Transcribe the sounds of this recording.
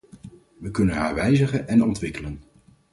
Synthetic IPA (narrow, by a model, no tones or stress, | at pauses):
ʋəkɵnənɦa̰ːɹʋɛjzəχənɛnɔntʋɪkələn